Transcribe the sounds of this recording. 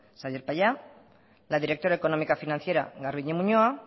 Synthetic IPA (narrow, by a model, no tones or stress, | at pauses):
saβjeɾpaja | laðiɾekt̪o̞ɾaeko̞no̞mikafinanθjeɾa̰ɣaɾβiɲemuɲoa